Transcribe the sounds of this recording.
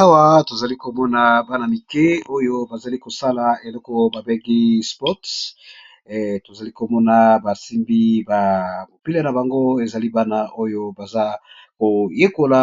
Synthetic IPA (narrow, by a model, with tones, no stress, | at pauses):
a˦wa˦to˨za˨li˦ko˨mɔ˦na˨ba˦na˨mi˨ke˦o˦jo˦ba˨za˨li˦ko˨sa˦la˨e˨lɔ˦kɔ˦ba˨be˦ɡi˦spɔ˦t | to˨za˨li˦ko˨mɔ˦na˨ba˨si˦mbi˦ba˨mo˨pi˦le˦na˨ba˨ŋɡo˦e˨za˨li˦ba˦na˨ʔo˦jo˦ba˨za˦ | ko˨je˦ko˨la˨